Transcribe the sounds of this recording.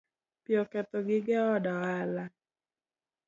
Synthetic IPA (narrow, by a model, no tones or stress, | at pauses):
pjɔkɛt̪ɔɡɪɡɛɔdɔala